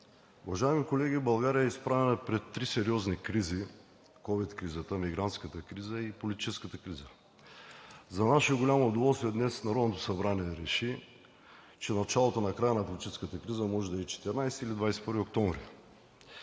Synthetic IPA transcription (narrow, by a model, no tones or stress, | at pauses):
uvɐʒaɛmikolɛɡibɐlˠɡaɾijəəispɾavɛnəpɾɛt̪ːɾisɛɾiɔznikɾizi | kɔvit̪kɾizət̪əmiɡɾant̪skət̪əkɾizəipolit̪i̥t͡ʃɛskət̪əkɾizə | zɐnaʃoɡolʲamood̪ovɔlˠst̪vʲiɛd̪nɛsnɐɾɔd̪not̪o̥sɐbɾaniɛɾɛʃi | t͡ʃɛnɐt͡ʃalˠot̪onɐkɾajənɐpolʲit̪it͡ʃɛskət̪əkɾizəmɔʒɛd̪ɐt͡ʃɛ̥t̪ɛɾnajst̪ilid̪vajsɛpəɾviok̚t̪ɔ̃ɱvɾi